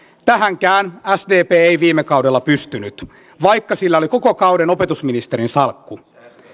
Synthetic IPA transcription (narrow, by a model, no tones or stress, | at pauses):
t̪æɦæŋkæːnæsdeːpeːeijʋiːmːekɑudelːɑpyst̪ynyt̪ | ʋɑjkːɑsilːæo̞liko̞kokɑwde̞no̞pe̞t̪usminist̪e̞ɾinsɑlkːu